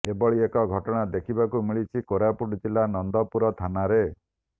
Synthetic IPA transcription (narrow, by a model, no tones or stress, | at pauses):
ebɔɭiekɔɡʱɔʈɔɽ̃ad̪ekʰibakumiɭit͡ʃʰikoɾapuʈit̪ʰilanɔnd̪ɔpuɾɔt̪ʰanaɾe